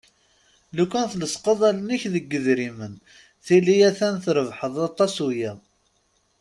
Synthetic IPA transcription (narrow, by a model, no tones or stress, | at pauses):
lukːænθləsqəðˤælniçðəɡːəðɾimən | θilijæθænθɾəvħəðˤɑt̪ˤːɑsujæ